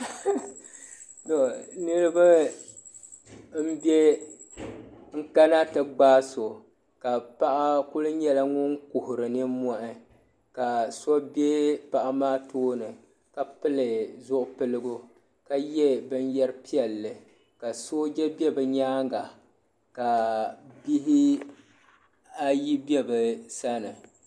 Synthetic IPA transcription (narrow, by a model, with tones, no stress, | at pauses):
to˨nɨ˦ɾɨ˦ba˦ | m̩˦bɛ˦ | ŋ̩˦ka˦na˦tɨ˨ɡ͡baː˦so˨ | ka˨pa˦ʔa˦ku˦lɨ˦ɲɛ˦la˦ŋʊ˦ŋku˨hʊ˨ɾɨ˨nɨ˦mɔ˦ʔɪ˦ | ka˨sɔ˦bjɛ˦pa˨ʔa˦maː˦tʰoː˦nɨ˨ | ka˨pɨ˦lɨ˨zʊ˦ʔʊ˦pɨ˦lɨ˦ɡʊ˦ | ka˦jɛ˦bɨ˦n˦jɛ˦ɾɨ˦pi˦ɛ˨lːɨ˨ | ka˨so˦d͡ʒɛ˦bɛ˦bɨ˨ɲaː˦ŋɡa˨ | ka˨bi˦ɦi˦ | a˦ji˦bɛ˦bɨ˨sa˦nɨ˨